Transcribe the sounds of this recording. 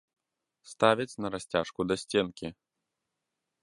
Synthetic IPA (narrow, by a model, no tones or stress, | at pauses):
st̪avʲɐt͡sʲnɐɾasʲt͡sʲaʂkud̪ɐsʲt͡sʲɛnkʲi